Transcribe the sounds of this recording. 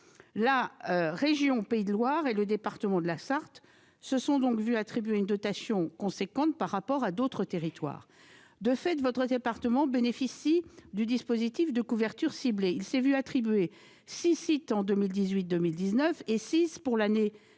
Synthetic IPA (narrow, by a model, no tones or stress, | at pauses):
laʁeʒjɔ̃peid̪əlwaʁeləd̪epaʁt̪əmɑ̃d̪əlasaʁt̪ | səsɔ̃d̪ɔ̃kvyat̪χibɥeynd̪ɔt̪asjɔ̃kɔ̃sekɑ̃t̪̚paʁːapɔʁad̪ot̪χət̪eʁit̪wa̰ːʁ | d̪əfɛt̪vɔt̪χəd̪epaʁt̪əmɑ̃benefisid̪yd̪ispozit̪ifd̪əkuvɛʁt̪yʁsibleilsɛvyat̪χibɥe | sisit̪ɑ̃d̪əmild̪izɥit̪̚d̪əmild̪iznœfesispuʁlane